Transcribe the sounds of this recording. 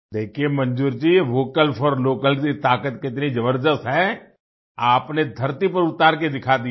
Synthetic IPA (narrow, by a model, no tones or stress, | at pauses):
d̪eːkʰiemɐ̃nd͡ʒuːɾd͡ʒiʋoːkəlfʰɔːɾloːkəlkit̪aːkət̪kɪt̪nid͡ʒɐbəɾd̪əst̪ɦɛ | aːpned̪ʱɐɾt̪ipɐɾʊt̪aːɾked̪ɪkʰad̪i